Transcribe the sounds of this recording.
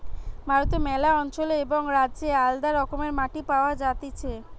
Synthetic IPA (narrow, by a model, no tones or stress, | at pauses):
bʱaɾot̪omɛlaɔnt͡ɕoleeboŋɾad͡ʑeald̪aɾɔkomeɾmaʈipaoad͡ʑat̪et͡ɕʰe